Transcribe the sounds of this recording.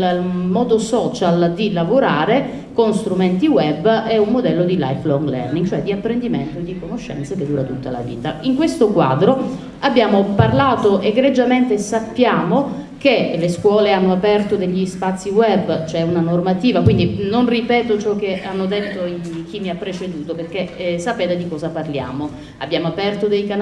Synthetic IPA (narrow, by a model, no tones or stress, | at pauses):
mɔːd̪osɔːt͡ʃald̪ilavoɾaːɾe | konst̪ɾument̪iwɛbːɛummod̪ɛlːod̪ila̰jflɔŋɡlɛ̰rniŋɡt͡ʃoɛd̪ːiapːɾend̪iment̪od̪ikonoʃːɛ̰nt̪seked̪ːuːɾat̪ut̪ːala̰vḭːt̪a̰iŋkwest̪okwa̰ːd̪ɾo | abːjaːmoparlaːt̪oʔeɡɾed͡ʒːament̪esapːjaːmo | keleskwɔːleanːoapɛrt̪od̪eʎːispat̪sːiwɛbːt͡ʃɛunanormat̪iːvakwind̪inonripɛːt̪ot͡ʃɔk̟ːeanːod̪et̪ːoik̟imːiapːɾet͡ʃed̪uːt̪operk̟esapɛːt̪ed̪ikɔːzaparlja̰ːmo | abːjaːmoapɛrt̪od̪ejkan